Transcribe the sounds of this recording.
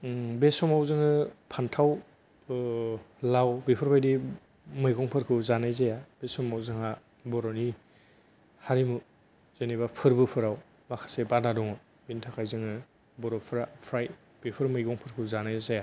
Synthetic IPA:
besɔmawzɯŋɯpʰantʰaw | lawbipʰɯɾpʰajdi | mɯjɡɔŋpʰɯɾkʰɯzanajzajab̥esɔmawzɯŋa | bɔɾɔni | haɾimu | z̥enebapʰɯɾbɯpʰɯɾaw | makʰḁsebadadɔŋɔ | bintʰakʰajzɯŋɯ | bɔɾɔpʰɾapʰɾaj | b̥ipʰɯɾmɯjɡɔŋpʰɯɾkʰɯzanajzaja

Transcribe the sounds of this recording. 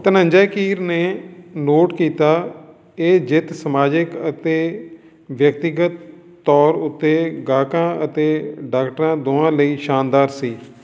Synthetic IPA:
t̪ənə̃ɲd͡ʒɛːkiːɾneːnoːʈkiːt̪aː | eːd͡ʒɪt̪səmaːd͡ʒɪkət̪eː | ʋjək̚t̪ɪɡət̪ː | ɔːɾʊt̪ːeːɡaːkãːət̪eːɖaːkʈəɾãːd̪oːãːləiːʃaːnd̪aːɾsiː

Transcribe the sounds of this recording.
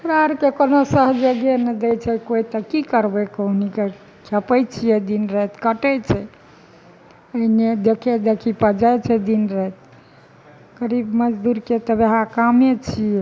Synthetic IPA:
kɾaɾkekonosəɦd͡ʒəɡenəd̪ɛjt͡ʃʰɛkoit̪əkikəɾbɛkəɦnike | kʰɛpəjt͡ʃʰijɛd̪inɾəɦt̪kəʈət͡ʃʰɛ | əined̪ekʰed̪ekʰipəd͡ʒajt͡ʃʰɛd̪inɾəɦɛt̪̚ | kəɾibməd͡ʒd̪uɾket̪əbeɦakamet͡ʃʰijɛ

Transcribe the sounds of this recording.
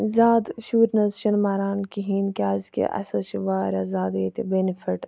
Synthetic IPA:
zaːd̪ʃuːɾnɐzʃɐnmaːɾaːnkiɦiːnkʲaːzkḛʔɐ̰sɐʃiʋaːɾʲazaːd̪et̪ibenifʰiʈ

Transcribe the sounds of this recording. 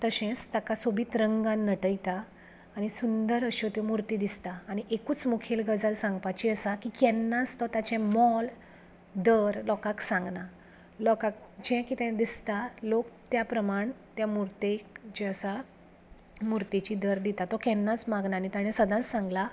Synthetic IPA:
t̪əɕɛ̃t͡st̪akasobʱiːt̪ɾəŋɡãnːəʈəjt̪aː | ɽ̃isund̪əɾəɕɔt̪jɔmuɾt̪iːd̪ist̪aːɽ̃iʔekuːt͡smukʰelɡəd͡zəlsãŋɡpat͡ɕiəsakikɛnːast̪ɔt̪at͡ɕɛ̃mɔl | d̪əɾlɔkaksãŋɡna | lɔkak̚d͡ʑɛ̃kit̪ɛ̃d̪ist̪alokt̪japɾəmaɳt̪jamuɾt̪ekd͡ʑeəsa | muɾt̪et͡ɕid̪əɾd̪it̪at̪ɔkɛnːat͡smaɡnaːñit̪aɽ̃ɛ̃səd̪ʱãt͡ssãŋɡla

